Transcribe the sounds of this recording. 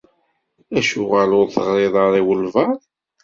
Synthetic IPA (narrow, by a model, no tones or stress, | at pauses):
æʃʊʁælʊɾθəʁɾɪðˤɑɾˤiwəlvɑɾˤ